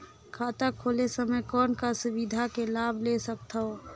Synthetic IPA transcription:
kʰaːt̪akʰolesəməjkɔːnkasʊbid̪ʱakelaːbʱlesək̚t̪ʰəo

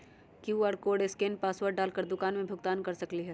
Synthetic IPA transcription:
kjuːaːɾkoːɖeskeːnpaːswəɾɖɖaːlkəɾd̪ʊkaːnmẽbʱʊɡt̪aːnkɐɾsɐkliɦɛː

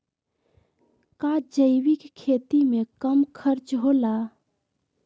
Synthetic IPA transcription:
kaːd͡ʒəɪwɪkkʰːeːt̪imẽkəmkʰəɾt͡ʃɦolaː

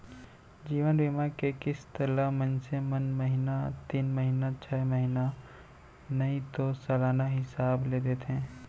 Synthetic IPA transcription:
d͡ʒiːʋənbɪmaːɾkekɪst̪əlamənsemɐnməɦɪnat̪iːnməɦɪnat͡ʃʰɛːmɐɦɪna | nɐĩt̪osɐːlaːnaɦɪsaːbled̪eːt̪eɦɛ̃ː

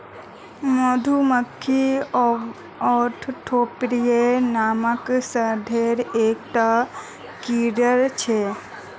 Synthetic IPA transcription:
mod̪ʱuməkʰːiɔ | ɔːɾʈʰʈʰoːpɾijenaːməksəd̪ʱeɾeːkʈa | kiɾəɾt͡ʃʰe

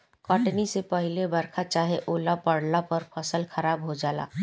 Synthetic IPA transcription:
kɔːʈnisepɐɦɪlebɐɾkʰat͡ʃaːɦeʔoːlapɐɽnapɐɾpʰɐsəlxɐɾaːbɦod͡ʒaːla̰ː

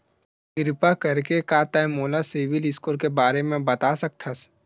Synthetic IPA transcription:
ɡɪɾɪpakɐɾkekat̪ajmoːlaseːʋɪlɪskoːɾkebaːɾemẽbɐt̪asɐk̚t̪ʰɐs

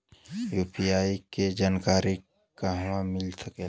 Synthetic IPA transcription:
juːpʰijaːiked͡ʒaːnkaːɾi | kaɦʋãmɪlsəke

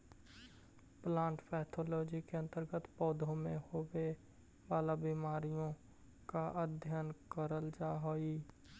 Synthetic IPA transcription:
plãːɳʈpʰɛːt̪ʰoːloːd͡ʒikeə̃nt̪əɾɡət̪pɔːd̪ʱõmẽhowe | baːlabiːmaːɾijõ | kaʔəd̪ʱjənkəɾəld͡ʒaːɦoːiː

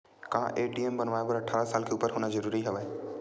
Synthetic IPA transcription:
kãːʔeːʈiembɐnʋaːjpɐɾɐʈʰaːɾasaːlkʰeːʊpəɾɦʊnə̃zɐɾuːɾiɦɐʋa

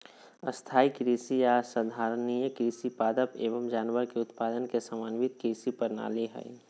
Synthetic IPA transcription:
ə̰st̪ʰaːikɾiːsijasəd̪ʱaːɾnijəkɾiːsipaːd̪əpeːʋəmd͡ʒaːnʋəɾkeʊt̪paːd̪ənkesəmaːnʋit̪kɾiːsipəɾna̰ːleɦɛ̰j

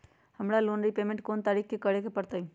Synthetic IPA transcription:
həmɾaloːnɾipeːmẽɳʈkoːnt̪aɾikkekəɽekepəɾt̪aĩ

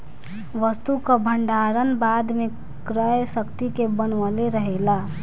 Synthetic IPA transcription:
ʋəst̪ukəbʱəɳɖaɾənbad̪me | kɾəjsəkt̪ikebənʋəleɾəɦela

